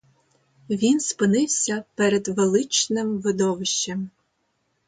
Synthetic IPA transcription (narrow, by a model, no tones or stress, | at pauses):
ʋʲinspɪnɪwsʲɐpɛɾɛd̪ʋelˠɪt͡ʃnɪmʋɪd̪ɔʋɪʃt͡ʃːem